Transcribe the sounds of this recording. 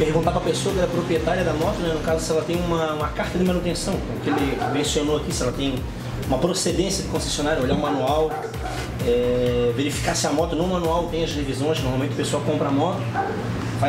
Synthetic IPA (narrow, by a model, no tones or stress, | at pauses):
pehɡũt̪akw̃ɐpesoɐkɪɛɾɐpɾopɾiet̪aɾiɐd̪ɐmɔt̪ʊnɛnʊkazʊsɪɛlɐt̪ẽj̃ũmɐũmɐkaɾt̪ɐd̪ɪmãnut̪ẽsɐ̃w̃kõʊkelɪmẽsionoakisɪɛlɐt̪ẽj̃ | ũmɐpɾosed̪ẽsjɐd̪ɪkõse̥sjonaɾjʊoʎaʊ̃mãnuaw | ɛveɾifi̥kasɪɐmɔt̪ʊnɐ̃w̃mɐ̃nuawt̪ẽj̃ɐzdevizõj̃ʃnoɾmawmẽt̪ʊpesoawkõmpɾɐamɔt̪ʊ | fa